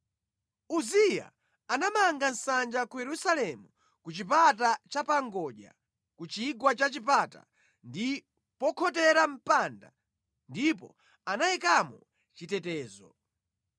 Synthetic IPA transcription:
uzija̰ | anamaŋɡan̩sand͡ʒakujɛɾusalɛmu | kut͡ʃip̬atat͡ʃapaŋɡɔʄa̰ | kut͡ʃiɡwat͡ʃat͡ʃipata̰ | ndi | pɔkʰɔtɛɾam̩panda̰ | ndipɔ̰ | anaikamɔ | t͡ʃitɛtɛːzɔ

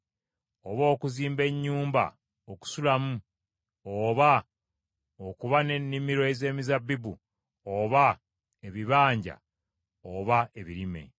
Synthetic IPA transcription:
oβo̞ːkuziːmbe̞ɲːuːmba̰ | oku̥sulamu | oːβa | okuβane̞nːimiɾo̞eze̞ːmizabːibṵ | oβa | eβiβaːɲɟa̰ | oβae̞βiɾime̞̰

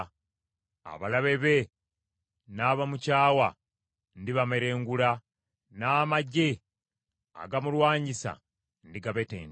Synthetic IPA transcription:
a̰βalaβe̞βe | naːβamucaːwa | ndiβame̞ɾe̞ːŋɡula | naːmaɟe | a̰ɡamulwaːɲɟisa̰ | ndiɡaβetḛːn

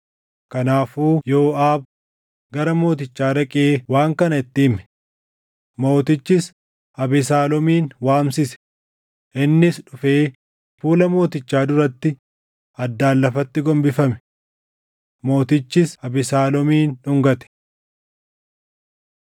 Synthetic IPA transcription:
kɐnaːfuːjo̞ːʔaːb̚ | ɡɐɾɐmo̞ːt̪ɪt͡ʃːaːɾɐkʼeːwaːŋkɐnɐɪt̪ːɪːmɛ̥ | mo̞ːt̪ɪt͡ʃːɪs | ɐbɪsaːlɔmiːnwaːmsɪsɛ̥ | ʔɪnːɪsᶑʊfeː | fuːlɐmo̞ːt̪ɪt͡ʃːaːd̪ʊɾɐt̪ːɪ | ɐd̪ːaːlːɐfɐt̪ːɪɡɔmbɪfɐmɛ̥ | mo̞ːt̪ɪt͡ʃːɪsɐbɪsaːlɔmiːnʊŋɡɐt̪ɛ̥

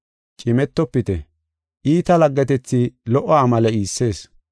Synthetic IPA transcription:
t͡ʃʼɪmɛt̪ːɔpːɪt̪ɛ | ʔiːt̪ɐlɐɡːɛt̪ɛt͡sːilɔʔɔːmɐlɛiːsːe̞ːs

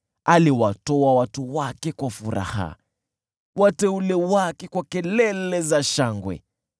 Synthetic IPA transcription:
aliwatɔawatuwakɛkwafuɾa̰ha̰ | watɛulɛwakɛkwakɛlɛlɛzaʃaŋɡwɛ̰

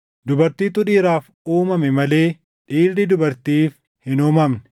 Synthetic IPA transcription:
d̪ʊbɐɾt̪iːt̪ʊᶑiːɾaːf | uːmɐmɛmɐleː | ᶑiːrːɪd̪ʊbɐɾt̪iːf | hɪnuːmɐmnɛ̥

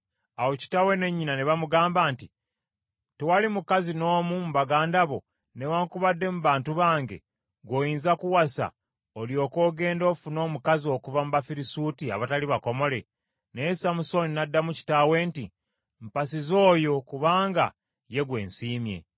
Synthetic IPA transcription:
awo̞ci̥tawe̞ne̞ɲːinaneβamuɡaːmbaːnti | tewalimukazino̞ːmumuβaɡaːndaβo̞ | newaŋkuβadːe̞muβaːntuβaːŋɡe̞̰ | ɡwo̞ːjiːnzakuwasa̰ | oljo̞ːko̞ːɡe̞ːndo̞ːfuno̞ːmukazio̞kuvamuβafiɾisuːtia̰βataliβako̞mo̞le̞ | nesamuso̞ninadːamuci̥tawe̞nti | mpasizo̞ːjo̞kuβaːŋɡa | je̞ɡwe̞̰ːnsiːmje̞̰

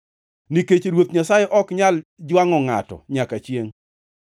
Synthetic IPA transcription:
niket͡ʃeɾwot̪ɲasajeʔɔkɲald͡ʒwaŋɔŋa̰tɔ̰ɲakat͡ʃjeŋ

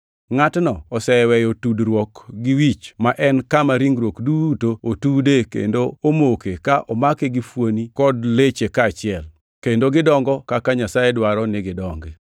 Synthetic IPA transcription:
ŋatnɔɔsɛwɛjotudɾwɔkɡiwit͡ʃmaʔɛnkamaɾiŋɡɾwokdutootudekḛndoomokekaʔɔmakeɡifwonikɔdlet͡ʃekaːt͡ʃɪɛl | kendoɡɪdɔŋɡɔkakaɲasajedwaɾɔnɪɡɪdɔŋɡe

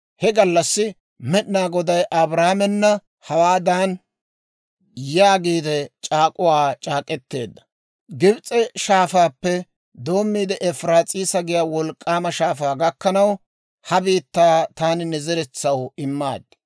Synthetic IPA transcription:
hɛɡɐlːɐsːɪ | mɛɗnaːɡɔd̪ɐjʔɐbɾaːmɛnːɐ | hɐwaːd̪aːn | jaːɡiːd̪ɛt͡ʃʼaːkʼʊwaːt͡ʃʼaːkʼɛt̪ːe̞ːd̪ːɐ̥ | ɡɪbt͡sʼɛʃaːfaːpːɛ | d̪o̞ːmːiːd̪ɛʔɛfɾaːt͡sʼiːsɐɡɪjaːwɔlkʼːaːmɐʃaːfaːɡɐkːɐnɐw | hɐbiːt̪ːaːt̪aːnɪnɛzɛɾɛt͡sːɐwɪmːa̰ːd̪ːɐ

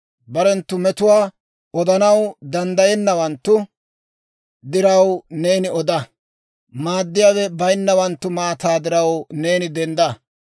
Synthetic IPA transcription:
bɐɾɛnt̪ːʊmɛt̪ʊwaː | ɔd̪ɐnɐwd̪ɐnd̪ɐjɛnːɐwɐnt̪ːʊ | d̪ɪɾɐwne̞ːnɪɔd̪ɐ | maːd̪ːɪjaːwɛbɐjnːɐwɐnt̪ːʊmaːt̪aːd̪ɪɾɐwneːnɪd̪ɛnd̪ɐ

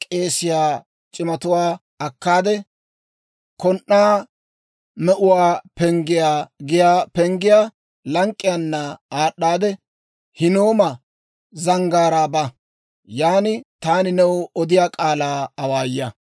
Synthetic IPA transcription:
kʼe̞ːsɪjaː | t͡ʃʼɪmɐt̪ʊwaː | ɐkːaːd̪ɛ | kɔnʔːaː | mɛʔʊwaːpɛŋɡɪjaːɡɪjaːpɛŋɡɪjaː | lɐŋkʼːɪjɐnːɐaːɗːaːd̪ɛ | hɪnoːmɐ | zɐŋɡaːɾaːbɐ | jaːnɪt̪aːnɪnɛwɔd̪ɪjaːkʼaːlaːɐwaːjːɐ

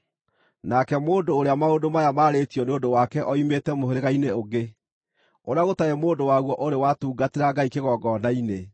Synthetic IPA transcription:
nakɛmoːndoːɾeamaodomajamaːɾetiɔneondowakɛʔɔimetɛmoɦeɾeɣaineoɡe | oɾeaɣotaɛmoːndowaɣwɔʔoɾewatuːɡateɾaɡaikeɣɔːɡɔːnaine

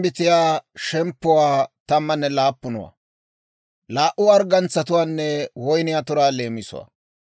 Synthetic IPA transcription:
bɪt̪ɪjaːʃɛmpːʊwaːt̪ɐmːɐnːɛlaːpːʊnɔ̰wa̰ | laːʔʊɐɾɡɐnt͡sːɐt̪ʊwaːnːɛwɔjnɪjat̪ʊɾaːleːmɪsʊ̰wa̰ː

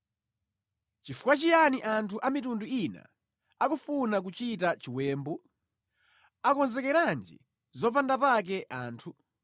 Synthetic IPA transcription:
t͡ʃifu̥kwat͡ʃijaniʔantʰuʔamitunduina̰ | akufunak̬ut͡ʃitat͡ʃiwɛːmbɔ | akɔnzɛkɛɾand͡ʒḭ | zɔpandapak̬ɛʔaːntʰu

